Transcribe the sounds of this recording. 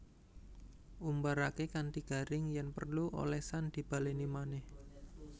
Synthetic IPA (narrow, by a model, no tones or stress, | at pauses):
ʔumbaɾakekant̪iɡ̥a̤ɾɪŋjanpərluʔo̰lɛhsand̪̥i̤b̥a̤lenimanɛh